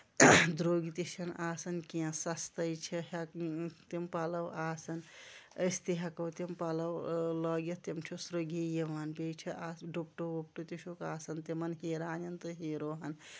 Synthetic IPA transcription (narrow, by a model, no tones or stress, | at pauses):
d̪ɾoːɡit̪iʃɐnaːsɐnkiãsɐst̪ɐjt͡ʃʰiɦɐt̪impaːlɐwaːsɐnəst̪iɦɐkɐwt̪impalɐwlɐːɡjɐt̪imt͡ʃʰosɾɐɡijɐmanpet͡ʃʰiʔaːsɖop̚ʈobop̚ʈot̪iʃokaːsɐnt̪emɐnɦeːɾaːnɐnt̪ɨɦeːɾoːɦɐn